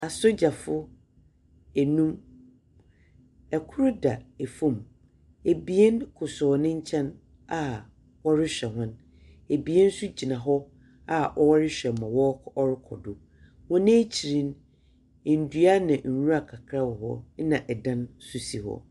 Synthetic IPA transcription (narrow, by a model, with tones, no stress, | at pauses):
a˨so˦d͡ʑa˨fʊ˦ | ɛ˨nũ˦m | ɛ˨kʰʊ˦ɾʊ˦da˨e˨fũ˨m | e˨bi˨ɛ˦nkʰʊ˨sʊ˨nɪ̃˦ɲ˦t͡ɕʰɛ̃˦n | a˦ | wɔ˦ɾɪ˦ɕᶣɛ˨ɦʊ̃˦n | e˨bi˨ɛ˦n̩˦su˦d͡ʑi˨nã˨ɦɔ˦ | a˦ʔɔ˦wɔ˦ɾɪ˦ɕᶣɛ˨mã˨wɔ˦ɔ˦ɾɪ˦kʰɔ̰˨dʊ˨ | wɔ̃˦nẽ˦t͡ɕʰi˨ɾĩ˦n˨ | n̩˨du˨a˦nã˨n̩˨wu˦a˦˨kʰa˨kʰɾa˦wɔ˨ɦɔ̰˦nã˨ʔɛ˨dã˦nsu˨si˨hɔ̰˦˨